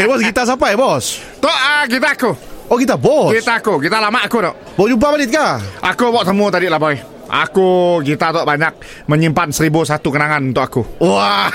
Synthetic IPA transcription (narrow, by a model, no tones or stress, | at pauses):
ebɔsɡit̪as̬apabɔs | t̪ɔʔəkit̪aːkuɔkit̪abɔsɡit̪aːkukit̪alamaʔakut̪ɔʔ | bɔd͡ʒump̬abalɪt̪̚kaʔakubɔʔsəmut̪adiʔlahbaɛ | a̰kuɡit̪at̪ɔʔbaɲak̚ | məɲimpansəɾibusat̪ukənaŋanunt̪ʊkakuwa